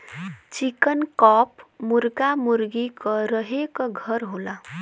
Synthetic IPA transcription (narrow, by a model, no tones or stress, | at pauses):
t͡ʃikənkɔpmuɾɡamuɾɡikəɾəɦekəɡʱəɾɦola